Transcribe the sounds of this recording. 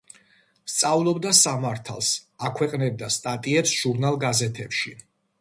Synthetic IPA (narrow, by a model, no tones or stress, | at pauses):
st̪sʼavlˠɔbd̪asamaɾt̪ʰa̰lˠsakʰwɛqʼnɛb̚d̪ast̪ʼat̪ʼiɛt̪sʒ̥uɾnalˠɡazɛt̪ʰɛpʃi